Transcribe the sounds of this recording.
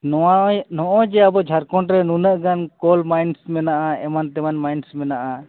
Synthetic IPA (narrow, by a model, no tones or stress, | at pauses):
nɔʔɔd͡ʒɛabɔd͡ʒʱaɾkɔɳɾɛnunəʔɡankɔlmajnsmɛnaʔaɛmant̪ɛmanmajnsmɛnaʔa